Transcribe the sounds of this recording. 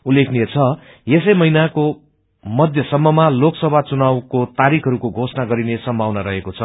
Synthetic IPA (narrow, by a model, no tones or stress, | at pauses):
ulːekʰniet͡sʰʌ | jesʌjmʌɦinako | mʌd̪ʱjʌsʌmːʌmaloksʌbʱat͡sunawkot̪aɾikʰʌɾukoɡʱosnaɡʌɾinesʌmbʱawnʌɾʌɦekot͡sʰʌ